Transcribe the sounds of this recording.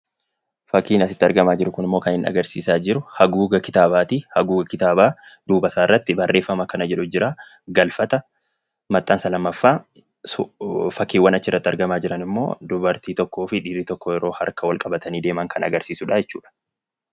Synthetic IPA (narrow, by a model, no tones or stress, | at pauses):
fɐkːiːnɐsɪ̥t̪ːɪɐɾɡɐmaːd͡ʒɪɾʊkʊnɪmːo̞ːkɐnhɪnɐ̰ɡɐɾsḭːsaːd͡ʒɪɾʊhɐɡuːɡɐkɪ̥t̪aːbaːt̪ihɐɡuːɡɐkɪt̪aːbaːd̪̥uːbɐsaːɪrːɐt̪ːɪbɐrːe̞ːfːɐmɐkɐnɐd͡ʒɛᶑʊd͡ʒɪɾaː | ɡɐlfɐt̪ɐ | mɐt̪ʼːaːnsɐlɐmːɐfːaː | fɐkːiːwːɐnɐt͡ʃːɪrːɐt̪ːɪɐɾɡɐmaːd͡ʒɪɾɐnɪmːo̰ːd̪ʊbɐɾt̪iːt̪ɔkːoːfɪᶑiːrːit̪ɔkːɔjɛɾo̞ːhɐ̰ɾkɐwɐlkʼɐbɐt̪ɐniːd̪e̞ːmɐŋkʰɐnɐɡɐɾsiːsʊᶑaːjɛt͡ʃːṵːᶑɐ̥